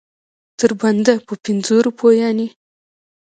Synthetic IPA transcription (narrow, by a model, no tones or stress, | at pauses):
t̪əɾband̪apəpinzoɾupʰojɑni